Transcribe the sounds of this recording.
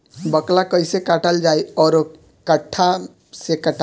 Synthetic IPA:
bəklakəjsekaʈəld͡ʒajɔːɾ | kəʈʰːa | sekəʈ

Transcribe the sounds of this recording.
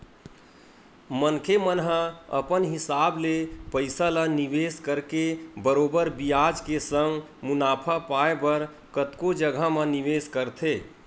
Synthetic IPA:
mənkʰemənɦəə̰pənɦɪsaːblepəɪsalaniʋeːskəɾkebəɾoːbəɾbijad͡ʒkesə̃ŋɡ | munaːpʰapaebəɾ | kət̪kod͡ʒəɡʱamə̃niʋeskəɾt̪ʰe

